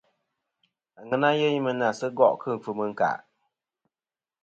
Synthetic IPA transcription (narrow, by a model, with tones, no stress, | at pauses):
a˨ŋɨ˦na˦jɛ˦ɲi˦mɨ˦n˨a˨sɨ˦ɡɔ̰˦˨ʔkʰɨ˦˨ŋ̩˨fɨ˨mɨ˦ŋ̩˦ka̰˨